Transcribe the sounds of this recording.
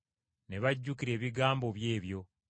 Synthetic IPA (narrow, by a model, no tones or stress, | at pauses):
ne̞βaɟːukiɾe̞ːβiɡaːmbo̞βje̞ːβjo̞